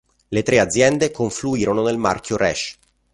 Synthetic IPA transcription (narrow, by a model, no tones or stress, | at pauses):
let̪ɾead̪zːjɛnd̪ekoɱfluiːɾononelma̰rkʰʲjoɾɛ̰ʃ